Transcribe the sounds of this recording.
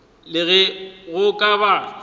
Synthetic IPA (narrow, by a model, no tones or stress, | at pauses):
lɪɣɛɣʊkʼaba